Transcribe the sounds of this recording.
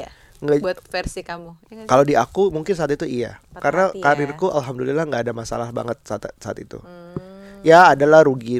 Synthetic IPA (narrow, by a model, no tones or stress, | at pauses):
ŋɡat̪fɛrsikamukalodiakumuŋkɪns̬aat̪it̪uia̰karnakaɾɪrkuʔa̰lɦamdulilaŋɡaːdamasa̰lahba̰ŋət̪̚sat̪saa̰t̪it̪ṵ | jaːdalahɾuɡi